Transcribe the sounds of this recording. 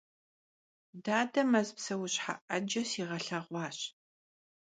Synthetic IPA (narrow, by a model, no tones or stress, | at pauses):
daːdɐmɐzpsɐwʊɕħa̰ʔɐd͡ʒɐsiːʁɐɬɐʁʷɑːɕ